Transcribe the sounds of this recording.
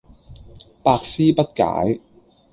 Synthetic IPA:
paː˧k̚siː˥pɐ˥t̚ka̰ː˨˥j

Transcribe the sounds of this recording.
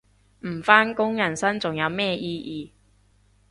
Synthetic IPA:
m̩˨˩faː˥nkʊ˥ŋjɐ˨˩nsɐ˥nt͡sʊ˨ŋjɐ˨˧wmɛː˥jiː˥jʔiː˨˧

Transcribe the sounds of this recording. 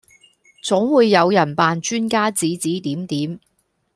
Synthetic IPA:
t͡sʊ˨˥ŋwuː˨˧jːɐ˨˧wjɐ˨˩npaː˨nt͡ʃyː˥nkaː˥t͡siː˨˥t͡siː˨˥t̪iː˨˥mt̪iː˨˥m

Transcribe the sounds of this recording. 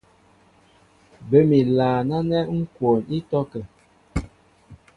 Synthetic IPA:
bə˨˦mi˨laː˨na˦nɛ˦ŋ̩˦kwo˨ni˦tɔ˦kɛ˨

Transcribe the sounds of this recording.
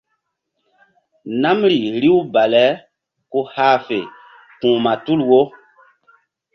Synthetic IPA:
na˦mɾi˨ɾi˦wba˨lɛ˨˦ | ko˦haː˦fe˨ | kũ˨ma˨tu˦lwo˦

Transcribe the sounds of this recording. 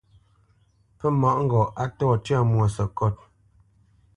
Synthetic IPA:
pə˦mɔ˨ʔŋ̩˦ɡɔ˨ʔa˦tɔ˦˨tja˦˨mwɔ˨sə˨kɔ˦˨t̚

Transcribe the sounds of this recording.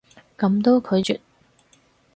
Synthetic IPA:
kɐ˨˧˥mt̪o˥wkʰɵ˨˧ɥt͡ʃy̰ː˨˩t̚

